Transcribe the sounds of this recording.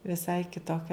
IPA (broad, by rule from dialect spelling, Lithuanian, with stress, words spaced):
ʋʲɪˈsɐɪ kʲɪtoːˈkʲɛ